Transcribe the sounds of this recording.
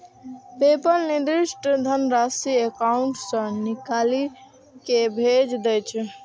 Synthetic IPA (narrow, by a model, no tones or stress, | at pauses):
pepəɾnid̪ɾɪʃʈd̪ʱənɾaːsiekaʊɳʈsə̃nɪkaːli | kebʱed͡ʒd̪et͡ʃʰ